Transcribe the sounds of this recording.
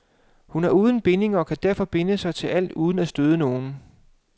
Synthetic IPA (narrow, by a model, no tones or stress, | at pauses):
hunæɐuːð̞ˠn̩b̥e̝ne̝ŋɐɒ̽kʰæd̥æɐfɒ̽b̥e̝nəsɑ̈ɪt͡sʰe̝lʔæl̰d̥uːð̞ˠn̩æsd̥øð̞ˠəno̝ːn̩